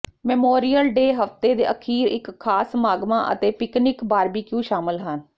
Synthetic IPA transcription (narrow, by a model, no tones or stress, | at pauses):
mɛmoːɾiːjəlɖeːɦəft̪eːd̪eːʔəkʰiːɾɪ̰kʰːaːsmaːɡmãːʔə̰t̪eːpɪknɪkbaːɾbiːkjũːʃaːmɪlɦən